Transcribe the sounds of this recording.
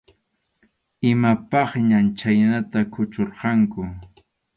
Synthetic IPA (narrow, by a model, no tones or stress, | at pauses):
ɪmapɑχɲant͡ʃajnat̪akʰʊt͡ʃoɾqɑŋkʊ